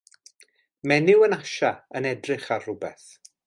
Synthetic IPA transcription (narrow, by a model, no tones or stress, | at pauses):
mɛnɪwənaʃaənɛdrɪχarrʊbɛ̰θ